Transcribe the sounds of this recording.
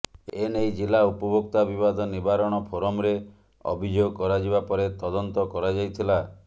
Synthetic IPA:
enejd͡ʒilaupɔbʱokt̪abibad̪ʱɔnibaɾɔɽ̃ɔpʰoɾɔmɾe | ɔ̰bʱid͡ʒoɡkɔɾad͡ʒiβapɔɾet̪ɔd̪ɔnt̪ɔkɔɾad͡ʒajt̪ʰila

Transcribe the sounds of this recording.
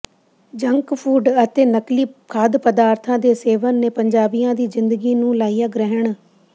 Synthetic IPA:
d͡ʒəŋkpʰuːɖət̪eːnəkliːkʰaːd̪pəd̪aːɾt̪ʰãːd̪eːseːʋənːẽːpəɲd͡ʒaːbijãːd̪iːzɪnd̪əɡiːnũːlaːijãːɡɾəɦəɳ

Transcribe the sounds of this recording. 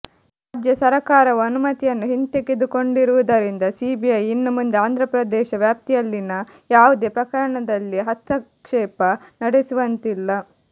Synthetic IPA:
ɾaːd͡ʒjɐsɐɾɐkaːɾɐʋɐɐnumɐt̪ijɐnːuɦint̪eɡed̪uko̞ɳɖiɾuʋud̪ɐɾind̪ɐsibijɐjinːumund̪eaːnd̪ʱɾɐpɾɐd̪ɛːʃɐʋjaːp̚t̪ijɐlːinɐ | jaːʋud̪e̞ːpɾɐkɐɾɐɳɐd̪ɐlːiɦɐt̪ʰːɐkʂɛːpɐnɐɽesuʋɐnt̪ilːɐ

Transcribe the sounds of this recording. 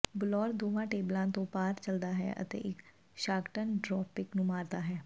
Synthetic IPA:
bʊlɔːɾd̪oːʋãːʈeːblãːt̪õːpaːɾt͡ʃəld̪aːɦɛ̰ːʔə̰t̪ḛːʔɪk | ʃaːɡʈənɖɾɔːpɪknũːmaːɾd̪aːɦɛː

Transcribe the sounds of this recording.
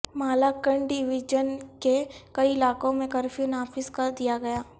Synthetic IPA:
maːlaːkəɳɖɪʋɪd͡ʒənkekɐiɪlaːkõmẽkɐɾfjunaːfɪzkad̪ijaɡɐjaː

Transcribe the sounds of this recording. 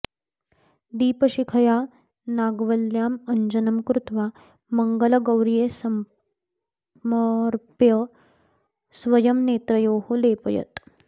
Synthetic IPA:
d̪iːpɐʃikʰɐjaː | naːɡʋɐljaːmɐɲd͡ʒɐnɐmkɾut̪ʋaː | mɐŋɡɐlɐɡɐwɾijeːsɐm | mɾpjɐ | sʋɐjɐmneːt̪ɾɐjoːhuleːpɐjɐ̰t̪

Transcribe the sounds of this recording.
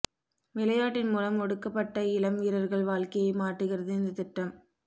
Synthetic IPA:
ʋɪlɐjaːʈːɪnmuːlɐmɔɽɯkːɐpːɐʈːɐɪlɐmiːɾɐɾɣɐɭʋaːɭkɐjɐɪmaːʈːɯɣɪrɐðɯɪnd̪ɐt̪ɪʈːɐm

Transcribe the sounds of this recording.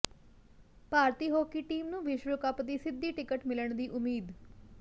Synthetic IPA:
paːɾt̪iːɦoːkiːʈiːmnũːʋɪʃɾəkəpd̪iːsɪd̪ːiːʈɪkəʈmɪləɳ̃d̪iːʔʊmiːd̪

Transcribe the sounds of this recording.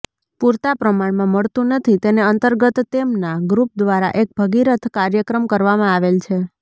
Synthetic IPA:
puɾt̪apɾəmaɳmãməɭt̪ũnət̪ʰit̪eneənt̪əɾɡət̪ːemnaɡɾup̚d̪ʋaɾa̰ʔek̚bʱəɡiɾət̪ʰkaɾjəkɾəmkəɾʋamãaʋelt͡ʃʰe

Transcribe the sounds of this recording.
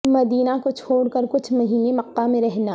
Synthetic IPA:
mɐd̪iːnakot͡ʃʰoːɽkɐɾkʊt͡ʃʰmɐɦiːnemɐqːamẽɾɛɦnaː

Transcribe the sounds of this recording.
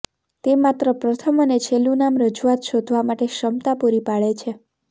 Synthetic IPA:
t̪emat̪ɾəpɾət̪ʰəmənet͡ʃʰelũnamɾəd͡ʒuʋat̪ʃod̪ʱʋamaʈeʃəmt̪apuɾipaɭet͡ʃʰe

